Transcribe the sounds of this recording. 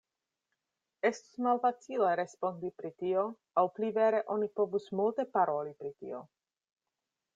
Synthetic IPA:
e̞stu̥smalfat͡sileɾe̞spo̞ndipɾitio̞ | awplive̞ɾe̞ʔo̞nipo̞vusmulte̞paɾo̞lipɾitḭo̞

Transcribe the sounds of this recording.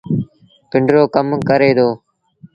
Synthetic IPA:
pɪɳɖɾoːkəmkəɾeːd̪oː

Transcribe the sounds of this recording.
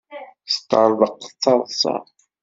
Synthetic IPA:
st̪əɾˤðˤəqt͡sːɑðˤsɑ̰

